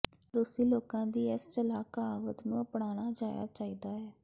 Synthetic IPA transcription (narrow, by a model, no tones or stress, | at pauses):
ɾʊsiːloːkãːd̪iːɪst͡ʃəlaːkaːaːʋət̪nũːəpɽaːñaːd͡ʒaːja̰ːt͡ʃaːiːd̪aːɛː